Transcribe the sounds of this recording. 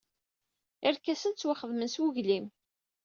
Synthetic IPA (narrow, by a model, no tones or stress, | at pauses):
ɪɾkæsənt͡sːwaχəðmənswʊʝlim